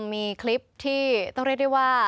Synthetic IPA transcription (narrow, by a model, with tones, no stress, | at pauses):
miː˧kʰli˦˥p̚t̪ʰiː˥˩t̪ɔ˥˩ŋɾi˥˩k̚wa˥˩kwaː˥˩